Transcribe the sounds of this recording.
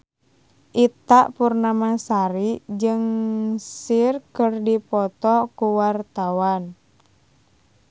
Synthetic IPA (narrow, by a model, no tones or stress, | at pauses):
ʔit̪aʔpurnamasaɾid͡ʒɨŋsirkərdipɔt̪ɔkuwart̪awan